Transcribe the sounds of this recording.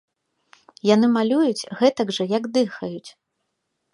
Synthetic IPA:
janɨmalʲujut͡sʲɣɛt̪ɐɡʐɐjɐɡd̪ɨxɐjut͡sʲ

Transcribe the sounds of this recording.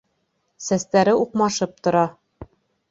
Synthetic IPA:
sæst̪æɾɘuqmɑʃɤp̚t̪ŏɾɑ

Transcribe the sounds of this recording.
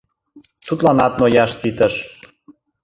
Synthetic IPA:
t̪ut̪lɑnɑt̪nojɑʃsit̪əʃ

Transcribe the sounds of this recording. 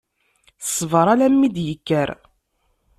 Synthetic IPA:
sːvəɾˤalæmːid̪jəkːəɾ

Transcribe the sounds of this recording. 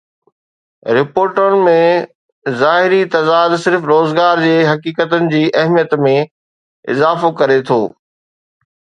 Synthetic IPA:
ɾɪpoːɾʈʊnɪ̆mẽ | zaːɦɪɾit̪ɐd̪aːd̪sɪɾfɾoːzɡaːɾd͡ʑeːɦɐkiːkət̪ənɪ̆d͡ʑiːʔɐɦmijət̪mẽ | ɪ̰zaːfokɐɾet̪ʰo̰ː

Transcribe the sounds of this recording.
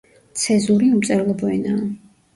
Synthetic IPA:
t̪sʰɛzuɾiumt̪sʼɛɾlˠɔbɔɛnaː

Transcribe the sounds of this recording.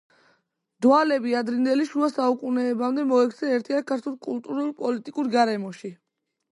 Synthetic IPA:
d̪̥walɛbiad̪ɾind̪ɛliʃuasaukʼunɛːbamd̪ɛmɔɛkʰt̪sʰɛɛɾt̪ʰiakʰaɾt̪ʰulkʼulˠt̪ʼuɾulpʼɔlit̪ʼikʼuɾɡaɾɛmɔʃi

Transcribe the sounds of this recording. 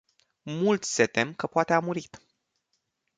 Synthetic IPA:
mult̪sʲse̞t̪e̞mkəpoat̪e̞amuɾit̪

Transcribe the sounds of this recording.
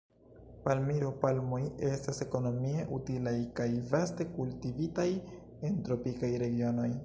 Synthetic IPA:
palmiɾo̞palmoje̞stase̞ko̞no̞mie̞ʔutilajkajvaste̞kultivitaj | e̞ntɾo̞pikajɾe̞ɡio̞no̞j

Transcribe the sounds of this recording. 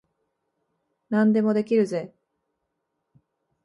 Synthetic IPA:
nãnd̪e̞mo̞d̪e̞kʲiɾɯ̟ze̞

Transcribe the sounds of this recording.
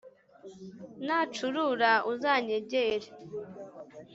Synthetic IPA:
nat͡ʃuɾuɾaʔuzaɲeɟeɾe

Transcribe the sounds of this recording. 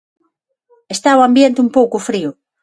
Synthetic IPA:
est̪aoambjent̪ɪumpowkʊfɾiʊ

